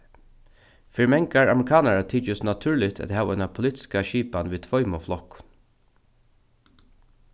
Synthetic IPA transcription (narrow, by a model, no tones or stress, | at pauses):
fɪɹmɛŋkaɹa̰mɹɪkʰɑːnaɹat̪ʰiːt͡ʃəsnat̪ʰʉːɹlɪt̪ʰæ̰t̪hɑːʋɛɪnapʰʊlit̪ɪ̥skaʃiːpanʋiːt̪ʰvɔʏmɔflɔkn